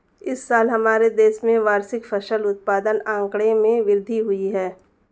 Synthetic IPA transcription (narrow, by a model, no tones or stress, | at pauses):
ɪsːaːlɦɐmaːɾed̪eːʃmẽʋaːɾsɪkfʰɐʃəlʊt̪̚paːd̪ənãːŋkɽemẽʋɪɾd̪ʱiɦʊiɦɛː